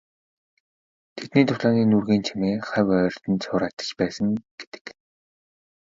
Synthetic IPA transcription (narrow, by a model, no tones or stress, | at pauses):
t̪ʰet̪niːt̪ʰʊɮaːniːnurɣeːnt͡ɕʰimeːχæwœːrʲt̪ɘ̆nt͡sʰʊːɾat̪ə̥̆t͡ɕpæːsə̆ŋɡ̥e̥t̪ɘ̥̆k